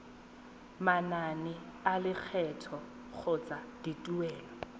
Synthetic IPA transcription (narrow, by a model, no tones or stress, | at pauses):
mananɪalɪk͡xʰɛtʰɔ | k͡xʰʊt͡sʼad̥itʼuwɛːlɔ